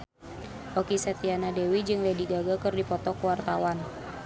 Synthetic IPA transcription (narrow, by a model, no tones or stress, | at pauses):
ʔɔkisat̪ianadewid͡ʒɨŋlɛdiɡaɡakɨrdipɔt̪ɔkuwart̪awan